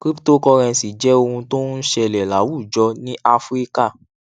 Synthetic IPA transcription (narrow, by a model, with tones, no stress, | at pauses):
kɾi˦pto˦kɔ˧ɾɛ̃˧˨si˨d͡ʒɛ˨˦o˧hũ˧to˦nũ˦ʃɛ˧lɛ˨la˨˦wu˦˨d͡ʒɔ˧nĩ˦ʔa˧fɾi˦ka˦˨